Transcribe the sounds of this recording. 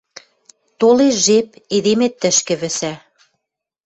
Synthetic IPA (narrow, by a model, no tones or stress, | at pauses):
t̪oleʒep̚eðemet̪ːə̆ʃkɘ̆βɘ̆sæ